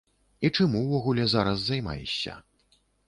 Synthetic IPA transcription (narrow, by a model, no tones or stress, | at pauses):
it͡ʂamuwvɔɣulʲɛzaɾɐzːajma̰jɛ̰sʲːɐ̰